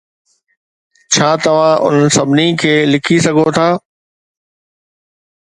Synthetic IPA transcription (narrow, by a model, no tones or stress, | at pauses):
t͡ɕʰaːt̪ɐʋ̤ãːʔʊ̰n̤ən̆sɐbʱnikʰeːlɪkʰisɐɡʱot̪ʰaː